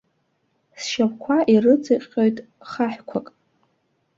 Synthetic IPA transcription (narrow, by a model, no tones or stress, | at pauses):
sʃapkʷʰaʔirɨt͡sʼɨqʲʼojtʼ | χaħkʷʰakʼ